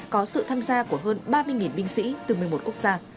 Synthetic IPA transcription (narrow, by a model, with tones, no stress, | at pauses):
kɔ˨˦sɨ̰˧˨t̪ʰaː˧mzaː˧ku˧˩əɦəː˧nɓaː˧mɨ˧əjŋi˨˩nɓï˧ŋ̟sḭ˧˥t̪ɨ˨˩mɨ˨˩əjmo˨˩t̚ku˦˥ək̚z̥aː˧